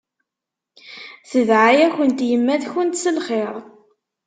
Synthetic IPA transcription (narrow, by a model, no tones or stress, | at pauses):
θəðʕajæçənt̪jəmːæðçənt̪səlχeɾˤ